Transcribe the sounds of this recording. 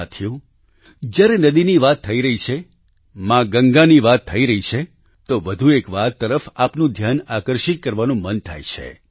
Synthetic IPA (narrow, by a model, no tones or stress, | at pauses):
at̪ʰjũ | d͡ʒjaɾenəd̪iniʋat̪ʰːəiɾəɦit͡ʃʰe | mãɡəŋɡaniʋat̪ʰːəiɾəɦit͡ʃʰe | t̪oʋəd̪ʱuekʋat̪ːəɾəfapnũd̪ʱjanakəɾʃit̪̚kəɾʋanũmənt̪ʰa̰jt͡ʃʰḛ